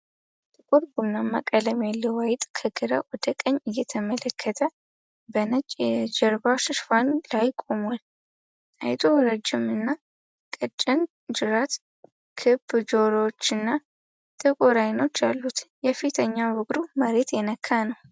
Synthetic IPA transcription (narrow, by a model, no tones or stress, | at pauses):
t̪ʼɨkʼuɾbunːama̰kʼələmjalːəwajɪt̪ʼkʰəɡɨɾa̰wɔd̪əkʼəɲːɨjːɛt̪ʰəmələkʰːət̪ʰə | bənət͡ʃʼd͡ʒəɾbaʃʃfanlajkʼo̞mwal | ʔa̰jt̪ʼuɾəd͡ʒːɪmɨnːa | kʼət͡ʃʼːɪn | d͡ʒɨɾat̪ | kʰɨbd͡ʒoɾot͡ʃːɨnːa | t̪ʼʰəkʼoɾajno̞t͡ʃːjalːut̪jɛfit̪ʰəɲːawʊkʼd̪uməɾe̞t̪jɛnəkʰːanəw